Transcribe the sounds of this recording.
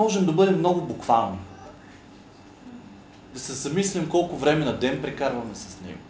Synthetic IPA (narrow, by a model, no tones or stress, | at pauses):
ɔʒɛmd̪ɐbɤd̪ɛmːnɔɡʊbʊkvalˠni | d̪ɐsɛzɐmislimkɔlˠkʊvɾɛmɛnɐd̪ɛnpɾɛkaɾvɐmɛsɐ̥snɛ̰ɡʊ̰